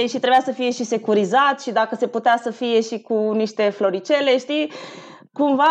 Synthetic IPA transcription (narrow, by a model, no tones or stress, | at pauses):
eʃit̪ɾe̞bjasəfije̞ʃise̞kuɾizat̪ʃid̪akəse̞put̪easəfije̞ʃikuniʃt̪e̞flo̞ɾit͡ʃe̞le̞ʃt̪i | kumva